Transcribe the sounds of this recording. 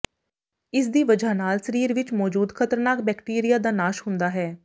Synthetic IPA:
ɪsd̪iːʋəd͡ʒaːnaːlsəɾiːɾʋɪt͡ʃmɔːd͡ʒuːd̪kʰət̪əɾnaːk̚bɛːkʈiːɾijaːd̪aːnaːʃhʊnd̪aːɦɛː

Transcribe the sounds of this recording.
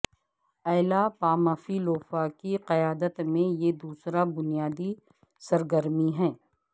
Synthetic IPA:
ɛːlapaːmafiloːfakiqɐjaːd̪ət̪mẽjed̪uːsɾabʊnijaːd̪i | sɐɾɡəɾmiɦɛː

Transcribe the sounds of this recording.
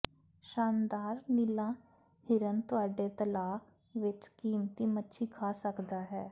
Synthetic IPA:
ʃaːnd̪aːɾnilãː | hɪɾənt̪ʊaːɖeːt̪əlaː | ʋɪt͡ʃkiːmt̪iːmətːʃʰiːkʰaːsəkd̪aːɦɛː

